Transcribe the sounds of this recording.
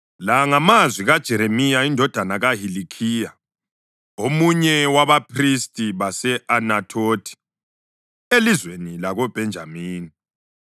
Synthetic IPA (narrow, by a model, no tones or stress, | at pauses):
laŋamazwiɣad̥ʒ̥ʱɛɾemijaindʱɔd̥ʱanaɣaɦilikʰiːja | omuɲɛwaβapʰristʼiβasɛʔanatʰoːtʰi̥ | elizwenilaɣɔb̥ʱɛnd͡ʒʱa̰miːni